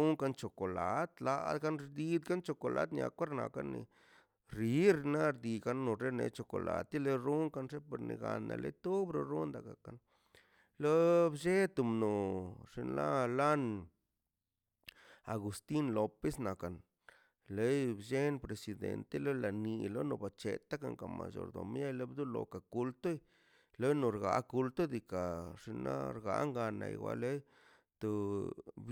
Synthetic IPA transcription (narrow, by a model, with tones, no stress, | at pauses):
u˦ŋka˧nt͡ʃo˨ko˨la˨˦t̪la˧d̪ka˦nɾd̪i˧d̪ɡa˦nt͡ʃo˧ko˨lʔa˧˦d̪nja̰˧kʷe˦ɾna̰˨ka̰˦nḭ˧ | ɾi˨˦ɾi˧na˦ɾd̪i˧ka˦nːo˨ɾe˦nḛ˧˦t͡ʃo˨ko̰˨la̰˨t̪i˦le˧ɾu˦ŋka˧nʐe˦po˨ɾnḭ˨ɡa˨nːa̰˨lʔḛ˦t̪u˦bɾo˧ɾu˦nd̪a˨ka˨ka˨n | lo˦bʃe˦t̪u˧mno˨ʐi˧nla˦la˦n | a˨ɡu˨st̪i˦nlo˨pe˦sna˨ka˨n | le˦jbʃe˦npɾe˨si˧˨d̪ḛ˨nt̪e˦lo˦la˨ni˧lo˦no˧ba˨t͡ʃe˨t̪a˦ka˨ŋka˨ma̰˨jo̰˨ɾd̪o˨mja˦jle˦bd̪u˦lo̰˨ka˨ku˧lt̪o˦j | lo˦no˨ɾɡa˨ku˧lt̪o˦d̪i˨ka˨ʂi˧na̰˦ɾɡa˧˦ŋɡa˧na̰˨jwa̰˧˦le˦j | t̪o˧b